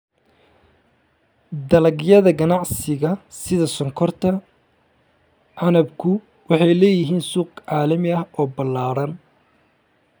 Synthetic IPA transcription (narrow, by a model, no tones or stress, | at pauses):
d̪ɐlɐɡjɐðɐɡɐnɑʕsɪɣɐsɪðɐsɔŋkʰɔrt̪ʰɐ | ʕɑnɐbkʰʊ | wɑħɑjlɛːjɪɦiːnsuːqʕɑːlɐmɪɐhɔːbɐlaːɾɐn